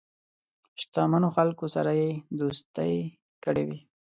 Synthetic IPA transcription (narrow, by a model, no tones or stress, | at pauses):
ʃt̪ɑmanoxalkosa̰ɾajed̪ost̪a̰j | kəɽewi